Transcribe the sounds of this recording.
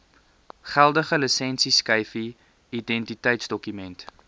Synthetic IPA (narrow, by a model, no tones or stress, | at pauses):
χælˠdəχəlisɛnsiskəjfi | idɛntitəjtsdɔkymɛnt